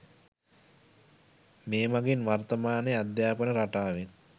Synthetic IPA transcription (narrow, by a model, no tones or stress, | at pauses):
meːmaɡinʋart̪əmaːnead̪jaːpənəɾaʈaːʋen